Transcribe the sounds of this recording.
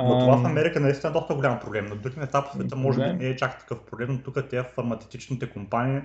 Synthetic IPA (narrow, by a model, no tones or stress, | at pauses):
not̪ovafɐmɛɾikənɐist̪inəd̪ɔst̪əɡolʲampɾoblɛmnɐd̪ɾuɡinɛt̪apsvɛt̪əmɔʒɛbinɛɛt͡ʃakt̪ɐ̥kɤfpɾoblɛmnot̪ukət̪ʲɛɐffɐɾmɐt̪sɛft̪it͡ʃnit̪ɛkompaniː